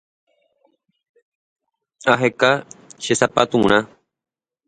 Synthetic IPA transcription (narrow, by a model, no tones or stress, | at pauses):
aɦekaʃesapat̪ũɾ̃ã